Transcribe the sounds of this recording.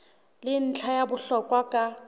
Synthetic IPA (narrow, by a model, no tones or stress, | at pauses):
lɪn̩t͡ɬʰajabʊɬɔkʼwakʼa